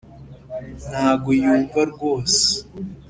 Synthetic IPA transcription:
nhaːɡojuːɱvaɾɡoːse̥

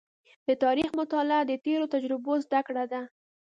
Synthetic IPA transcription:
d̪ət̪ɑɾixmʊt̪ɑlɪad̪ət̪eɾot̪ad͡ʒɾɪbozd̪akɽad̪a

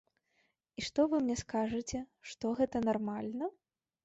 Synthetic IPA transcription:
iʂt̪ɔvɨmnʲɛskaʐɨt͡sʲɛʂt̪ɔɣɛt̪ɐnarmalʲnɐ

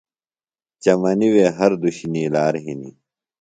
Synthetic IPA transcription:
t͡ɕɐmɐniweːɦɐɾd̪uɕniːlaːɾɦinḭː

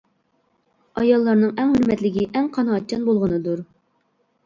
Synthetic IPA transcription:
ɑjɑlˠːɑɾnɨŋɛŋhyɾmɛt̪lɪɡʲiʔɛŋqʰɑnɑɑt͡ʃʰːɑnbolˠʁənɨd̪uɾ

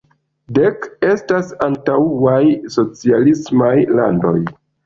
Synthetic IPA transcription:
deke̞stasantauajso̞t͡sialismajla̰ndo̞̰j

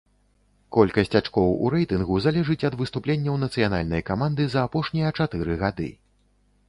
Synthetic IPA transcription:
kɔlʲkɐsʲt͡sʲat͡ʂkɔwṵɾɛjt̪ɨnɣuzalʲɛʐɨt͡sʲɐd̪vɨst̪uplʲenʲːɐwnɐt̪sɨjana̰lʲnɐjkamand̪ɨzɐːpɔʂnʲijɐt͡ʂat̪ɨɾɨɣad̪ɨ̰

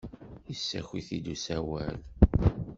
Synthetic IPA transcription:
isːæçiθid̪usæwæl

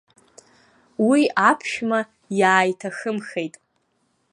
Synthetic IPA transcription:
wiapʰʃᶣma | jaːjtʰaxɨmxejtʼ

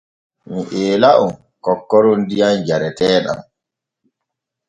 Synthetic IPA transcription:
miʔeːlaʔum | kɔkːɔɾɔndijand͡ʒaɾɛtɛːɗa̰m

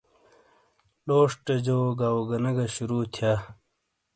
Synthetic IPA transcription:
loːʂʈed͡ʑoːɡaːwuɡɐnɐɡɐɕuɾuːt̪ʰjaː

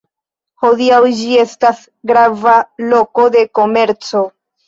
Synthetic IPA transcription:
ho̞diawd͡ʒie̞stas | ɡɾavalo̞ko̞de̞ko̞me̞ɾt͡so̞

